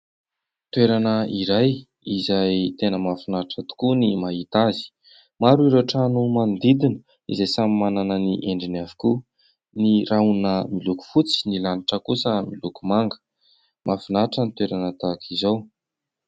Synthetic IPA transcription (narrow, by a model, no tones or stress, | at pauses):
t̪weɾanəiɾaj | izajt̪enəmafinaʈ͡ʂət̪u̥kunimaɦit̪azi̥ | maɾuiɾoʈ͡ʂanumand̪id̪inə̥ | ḭzejsamimananəniʔeɳɖ͡ʐinavi̥ku | niraunəmiluku̥fut͡si̥nilaniʈ͡ʂəkusəmilukumaŋɡə̥ | mʔafinaʈ͡ʂənit̪weɾanət̪akʰizow